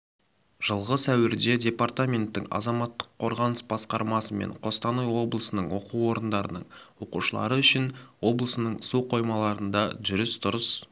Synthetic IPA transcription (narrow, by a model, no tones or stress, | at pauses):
ʒ̥əlˠʁəsæwɪɾd̪e̞dʲe̞part̪amʲe̞nt̪ːɪŋɑ̰zɑmɑt̪ːə̥qʰːo̞ɾʁɑnəsbɑsqɑɾmɑsəme̞̰ɴqʰo̞st̪ɑnəjwo̞blˠəsənəɴwo̞̰quwo̞ɾənd̪ɑɾə̰nəɴwo̞qṵʃəlˠɑ̰ɾəʏʃɪnwo̞blˠəsənəɴsuqʰo̞jmɑlˠɑɾənd̪ɑʒʏɾɪst̪ʰʊɾəs